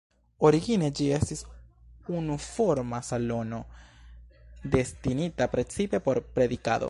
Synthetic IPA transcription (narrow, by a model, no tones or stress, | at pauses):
o̞ɾiɡine̞d͡ʒie̞stis | unufoɾmasalo̞no̞ | d̪e̞stinitapɾe̞t͡sipe̞po̞ɾpɾe̞d̪ika̰do̰